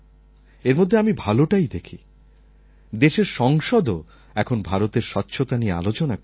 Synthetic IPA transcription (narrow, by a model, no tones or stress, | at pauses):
eɾmod̪ʱːeamibʱaloʈajd̪ekʰi | d̪eʃeɾʃɔŋʃɔd̪o | ɛkʰonbʱaɾot̪eɾʃɔtːɕʰot̪aniea̰lot͡ɕona